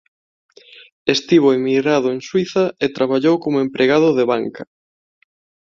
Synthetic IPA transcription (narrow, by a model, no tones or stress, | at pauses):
est̪iβ̞oemiɣɾaðʊeŋswiθɐet̪ɾaβaʎowkomoempɾʔeɣaðʊðeβaŋkɐ